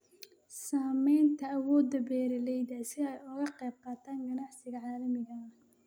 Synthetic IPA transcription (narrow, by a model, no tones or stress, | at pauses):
saːmɛjnt̪ʰɐɐwɔːd̪ɐbɛːɾɐlɛjd̪ɐsɪɛjʊɣɐqɛːb̚qɑːt̪ʰaːŋɡɐnaʕsɪɣɐʕaːlɐmɪɣɐ